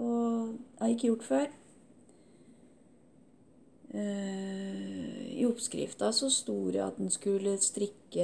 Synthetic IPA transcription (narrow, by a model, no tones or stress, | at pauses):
ɔɑɪkːəjʊʈːføːɾ | ɪ̰ɔpskɾɪ̰ft̪ɑsɔst̪uːɾə̰ɑ̰t̪̚d̪ɛnskʉlːəst̪ɾɪkːə